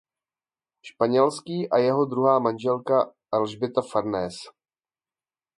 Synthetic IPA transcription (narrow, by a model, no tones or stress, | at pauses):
ʃpaɲɛlskiːʔajɛɦo̞d̪ɾuɦaːmanʒɛlka | lʒbɪt̪afaɾnɛːs